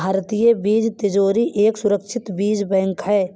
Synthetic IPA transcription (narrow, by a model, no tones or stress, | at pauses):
aːɾət̪ijebiːd͡ʒt̪ɪd͡ʒoːɾiʔeːksʊɾəkʃʰɪt̪biːd͡ʒbɛ̃ŋkɦɛː